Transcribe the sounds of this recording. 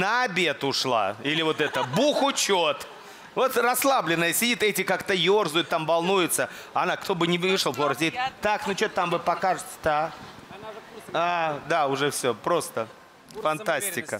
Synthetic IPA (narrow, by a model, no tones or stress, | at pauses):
nəɐbʲe̞t̪ʊʂlˠa̰ilʲɪvo̞t̪ɛt̪əbuxʊt͡ɕot̪ | vo̞t̪rɐslˠablʲɪnːəjəsʲɪdʲit̪ɛtʲɪkakt̪əjo̞rzʊjʊt̪ːamvɐlˠnujʊt̪səaɐnakt̪o̞bɨnʲɪɨʂəlˠflˠoɾəsʲɪit̪t̪aknot͡ɕot̪t̪ːamvɨpɐkaʐɨt̪ʲə̥d̪a | ad̪aʊʐɛfsʲopɾo̞st̪ə | fɐnt̪asʲtʲɪkə